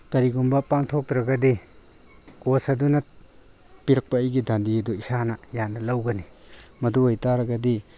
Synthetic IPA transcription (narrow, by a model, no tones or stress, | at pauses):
kɐɾiɡumbɐpaŋtʰok̚tɾɐɡɐdi | kosɐdunɐ | piɾɐk̚pɐɐjɡidandiɐduisanɐjanɐlɐwɡɐnimɐduajtaɾɐɡɐdi